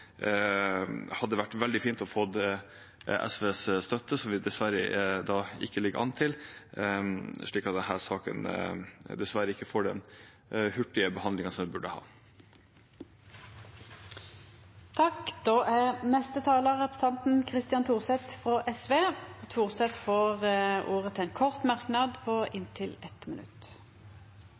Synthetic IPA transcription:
hɑd̪ːəʋæʈːʋɛld̪ɪfiːnt̪ɔfɔd̪ | ɛ̰sʋeːsst̪œt̪ːəsɔmʋɪd̪ɛsʋæɾə̰d̪ɑɪ̰kːəlɪɡəʔɑ̰nt̪ʰɪl | ʂɭiːkɑt̪̚d̪ɛnhæːɾʂɑːkə̰n | d̪ɛsʋæɾəɪkːəfoːɖɛ̰n | hʉʈːɪəbəhɑnd̪lɪŋənsɔmʋɪbʉɖəhɑ̰ː | t̪ʰɑkd̪oːʔænɛst̪ət̪ʰɑːləʁɛpʁəsɛnt̪n̩kʰʁɪst̪ɪjɑnt̪ʰuːʁsɛt̪fʁoːʔɛsʋeːt̪ʰuːʁsɛt̪foːʁʔuːʁət̪ʰɛːnkʰɔʁt̪mɑʁknɑd̪pʰoʔɪnt̪ʰɪlɛt̪mɪnʉ̰t̪

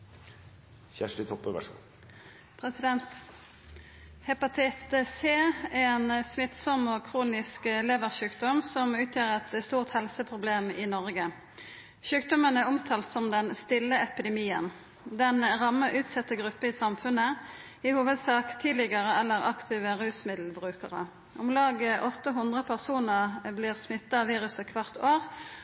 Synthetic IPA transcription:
çæʂʈɪt̪ʰɔpːəʋɛ̰ʂ | pʰʁɛsɪd̪ɛnt̪ | hɛpɑt̪ʰɛt̪əseːɛnsmɪt̪sɔmɔkʰʁuːnɪskleːʋəʁʃʉːkd̪ɔmsɔmʉːt̪ʰjøːʁɛt̪st̪uːʁt̪hɛlsəpʰʁʊbleːmɪːnɔʁɡə | ʃʉːk̚d̪ɔmənɛʊmt̪ʰɑːlt̪sɔmd̪ɛnst̪ɪlːəɛpɪd̪ɛmiːən | d̪ɛnʁɑmːəʔʉːt̪sɛt̪ːəɡʁʉpːəɪsɑmfʉnə | ɪhuːʋəd̪sɑːkt̪ʰiːd̪lɪɡəʁəʔɛlːəʁɑkt̪ʰiːʋəʁʉːsmɪd̪l̩bʁʉːkəʁə̰ | ʔʊmlɑːɡəʔɔt̪ːəɦʉnd̪ʁəpʰæʁsuːnəʁbliːʁsmɪt̪ːɑɑʋiːʁʉsəkʰʋɑʁt̪ʰoːʁ

